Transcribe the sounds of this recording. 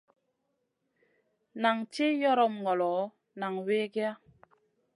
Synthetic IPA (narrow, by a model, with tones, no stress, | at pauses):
na˨ŋt͡ʃi˦jɔ˦ɾɔ˦˨mŋɔ˨lɔ˨˦ | na˨ŋwe˦ɡe˦a˦